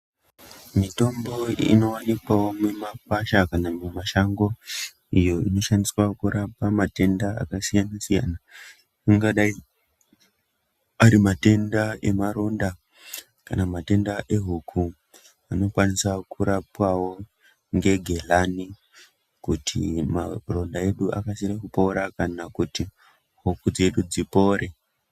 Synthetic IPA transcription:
mito̞mbo̞ḭno̞wanikwawomemapaʃakanamemaʃaŋɡo̞ | ijo̞ino̞ʃaniswakuɾʔapamate̞ndaa̰kasijanasija̰na | aŋɡaɗai | aɾimate̞ndae̞maɾo̞nda | kanamate̞ndaʔe̞ɦukʰu | ano̞kwanisakuɾapwawo̞ | ŋɡe̞ɡʱe̞lani | kutʰḭmaro̞ndae̞ɗuʔa̰kasiɾakupo̞ɾakanakuti | ɦukud͡ze̞ɗud͡zipo̞ːɾʔe̞

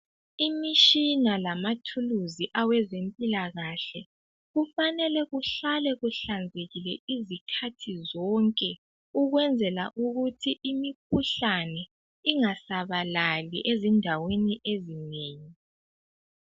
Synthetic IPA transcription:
imiʃinalamatʰuluziʔawɛzempʼilaɣaɬɛ | ɣufanɛlɛɣuɬalɛɣuɬand͡zʱeɣilɛizikʰatʰizɔŋkʼɛ | uɣwɛnd͡zʱɛla̰ʔuɣutʰiʔimik̚ʰuɬanɛ | iŋasaβalalḭʔezindʱaweniʔezineːɲi

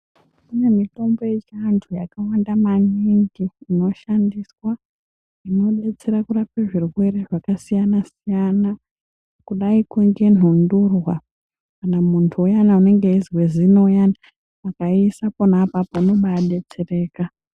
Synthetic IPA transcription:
kune̞mito̞mbo̞jet͡ʃantʰujakawandamaniŋɡiːno̞ʃandiswa | ino̞ɗe̞t͡se̞ɾakurapeʐirwe̞ɾeʐakasijanasijana | kuɗaikuŋɡe̞n̤ʱundurwa | kanamuntʰuujanaune̞ŋɡeizwezino̞jana | makaisaponapapouno̞ɓaaɗe̞t͡se̞re̞ːka

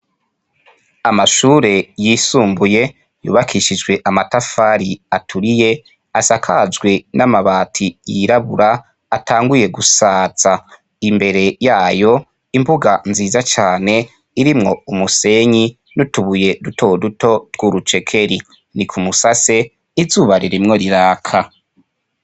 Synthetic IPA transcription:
amaʃuːɾe̞jiːsuːmbuje̞ | jṵːβakʰiʃid͡ʒɡwe̞ʔamatafaɾiatʰuɾije̞ | asakʰazɡwe̞namaβaːtʰijiɾaβuɾaː | tʰaːŋɡuje̞ɡusaːt͡sa | imbe̞ɾe̞jaːjo̞ | imbuɡanziːzat͡ʃaːne̞ | iɾimŋo̞umuse̞ɲi | nutuβuje̞dutʰo̞duto̞twuɾut͡ʃe̞kʰe̞ɾi | nikʰumusase̞ | izuːβaɾiɾimŋo̞ɾiɾaːkʰa

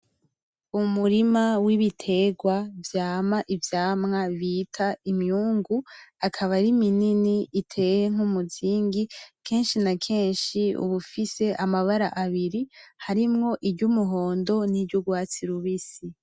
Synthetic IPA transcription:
umuɾimawiβitʰe̞ɡwavjaːmaʔivjaːmŋaβitʰaimjuːŋɡuakʰaβaɾimininiitʰe̞ːjeŋ̥umuziːŋɡikʰe̞ːnʃinakʰe̞ːnʃiṵβufise̞ʔamaβaɾaʔaβiɾihaɾimŋo̞ʔiɾɟumuɦo̞ːndo̞niɾɟuɡwaːt͡siɾuβisi

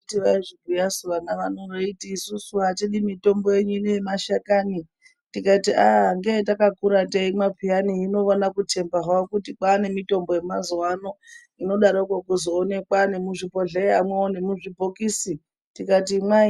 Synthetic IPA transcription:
tiʋaiʐiɡʱujasuʋaŋɡaʋanoʋoitiːsusuɦateɗimito̞mbo̞jeɲuineemaʃakani | tikatiaŋɡetakakuɾateimapʰijaniːno̞onakutʰe̞mbaɦwaokutikaːne̞mito̞mbo̞jemazwano̞ | ino̞ɗaɾokwakuzoːne̞kwane̞muʐipo̞ɮeamweone̞muʐibʱokiːsi | tikatima

